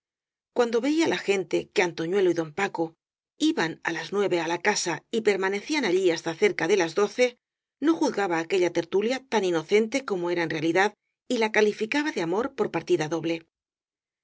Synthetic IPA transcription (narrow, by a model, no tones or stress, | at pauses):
kwand̪o̞βe̞ialaxe̞nt̪e̞keant̪o̞ɲwe̞loiðo̞mpako̞ | iβana̰laznwe̞βe̞alakasaipe̞ɾmane̞θianaʎiast̪aθe̞ɾkaðe̞lazðo̞θe̞ | no̞xuθɣaβaːke̞ʎat̪e̞ɾt̪uljat̪anino̞θe̞nt̪e̞ko̞moe̞ɾae̞nrealiðað | ilakalifikaβaðeamo̞ɾpo̞ɾpaɾt̪iðaðo̞βle̞